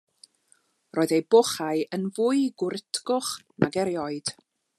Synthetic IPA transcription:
roːðejbɔχaɨʔənvʊɨɡwʊɾɪtʰɡʊχnʔa̰ɡɛɾjɔɨd̥

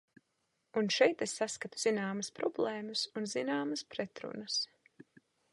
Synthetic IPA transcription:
unʃɛjt̪esːaskat̪u̥z̥inaːmɐspɾɔblˠeːmɐsunzinaːmɐspɾɛt̪ɾṵnəs

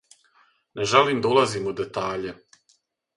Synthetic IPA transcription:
neʒaliːmd̪aulˠaziːmud̪et̪aːʎe

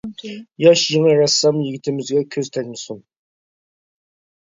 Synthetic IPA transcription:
jɑʃjiŋəɾɑsːɑmjiɡʲɪt̪ʰɪmɪzɡʲɛkʲʰøzt̪ʰɛlʲmɨsun

